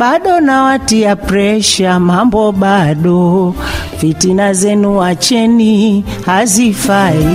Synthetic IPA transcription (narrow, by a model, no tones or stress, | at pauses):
ɓaɗɔnawatiapɾɛʃamambɔɓaɗɔ | vitinazɛnuwat͡ʃɛni | hazifai